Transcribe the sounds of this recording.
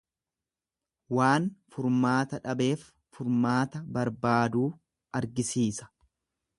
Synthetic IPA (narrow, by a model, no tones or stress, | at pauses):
waːnfʊɾmaːt̪ɐᶑɐbe̞ːfː | ʊɾmaːt̪ɐbɐɾbaːd̪uː | ɐɾɡɪsiːsɐ̥